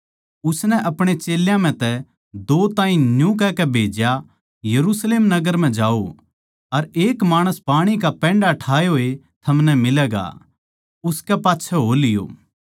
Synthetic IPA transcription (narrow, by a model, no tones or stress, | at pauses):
ʊsnɛʔɐpɽ̃et͡ʃeːljãm̤ɛ̃t̪ɛ | d̪oːt̪ãːĩnjũk̬ɛkɛbʱeːd͡ʒja | jɐɾusleːmnɐɡəɾm̤ɛ̃d͡ʒaːo | ɐɾeːkmaːɽ̃əspaːɽ̃ikapɛ̃ːɳɖaʈʰaːjoːe | t̪ʰɐmnɛmɪlɛːɡa̰ | ʊskɛpaːtːʃʰɛɦoːlɪjo̰ː